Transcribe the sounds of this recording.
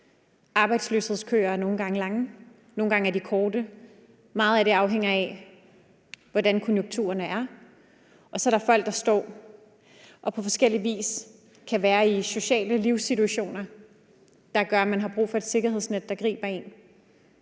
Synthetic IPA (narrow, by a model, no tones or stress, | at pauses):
ʔɑ̈ːb̥ɑ̈ɪd̥slø̰ːshe̝ð̞̰ˠskʰø̰ːɐæɐno̝ːn̩ɡ̥ɑ̈ŋəlɑ̈ŋə | no̝ːn̩ɡ̥ɑ̈ŋæɐd̥ikʰɒːd̥ə | mɑ̈ːð̩ˠæɐɾe̝ɑ̈ʊɦeŋ̰ɐɛ | ʋɒdænkʰɔ̽njuŋ̥ɡ̚t͡sʰṵːɐnəæɐ | ɒ̽sɒ̽ɐɾɑ̈fɒ̽l̰ɡ̥̚d̥ɑ̈sd̥ɒ̰ː | ʔɒ̽pʰɒ̽fɒ̽sɡ̥el̰iʋḭːs | kʰæʋæːɐiso̝ɕɛ̰ːləliʊsːit͡suæɕo̝̰ːnɐ | d̥ɑ̈ɡ̥ɶɐæmænɦɑ̈b̥ʁṵːfɒ̽e̝d̥se̝ɡ̥ɐɦe̝sned̥ːɑ̈ɡ̥ʁḭːb̥ɐe̝n